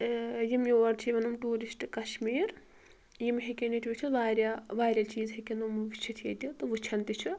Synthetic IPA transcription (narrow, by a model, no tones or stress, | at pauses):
jimjoːɐɾt͡ʃʰiʋɐnumʈuːɾisʈkɐʃmiːɾ | jimɦekʲenit̪ʰʲiʋit͡ʃʰuʋaːɾʲjaʋaːɾʲɐt͡ʃiːzɦekʲenumɨʋit͡ʃʰit̪ʰiɐt̪ʲit̪ɨʋut͡ʃʰɐnt̪it͡ʃʰu